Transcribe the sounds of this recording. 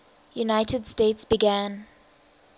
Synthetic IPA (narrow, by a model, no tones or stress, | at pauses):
junaɪtədsteɪtsb̥iɡæ̃n